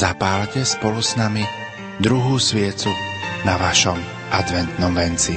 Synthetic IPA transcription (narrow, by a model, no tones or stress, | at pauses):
zapaːlcɛspɔlusnami | d̪ɾuɦuːsʋɪɛt͡sunaʋaʃɔm | ʔad̪ʋɛnt̪nɔmʋɛnt͡si